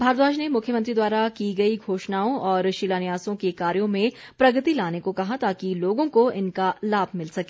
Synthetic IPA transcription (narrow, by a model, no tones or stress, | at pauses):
bʱaːɾd̪aːd͡ʒnemʊkʰjəmɐ̃nt̪ɾid̪waːɾakiɡɐiɡʱoːʃnaːõʔɔːɾʃilaːnɪjaːsõkekaːɾjõmẽ | pɾɐɡət̪ilaːnekokɐɦat̪aːkiloːɡõkoɪnkalaːbʱmɪlsɐkeː